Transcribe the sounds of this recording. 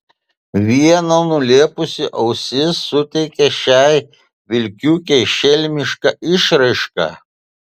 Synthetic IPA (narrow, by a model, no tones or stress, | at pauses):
ʋʲiɛnɐnʊlʲeɛpʊsʲɪʔɐʊsʲɪsːʊt̪ʲɛɪkʲɛʃʲæɪ | ʋʲɪlʲkʲuːkʲɛɪʃʲɛlʲmʲɪʃkɐʔɪʃɾɐɪʃkɐ̰